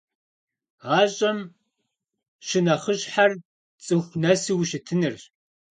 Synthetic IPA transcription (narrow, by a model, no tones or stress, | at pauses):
ʁaːɕʼɐm | ʃɪnɐχəɕʼħar | t͡sʼɨxʷnɐsiwʃɪtʰɨnɨr